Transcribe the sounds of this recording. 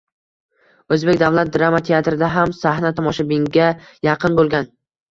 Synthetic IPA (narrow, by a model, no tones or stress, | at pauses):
ɵzbekʲd̪avlat̪̚d̪ɾamat̪ʰe̞at̪ɾɪd̪aɦamsahnat̪ʰɒmɒʃabɪŋɡʲajɑqʰɨnbolˠɡʲan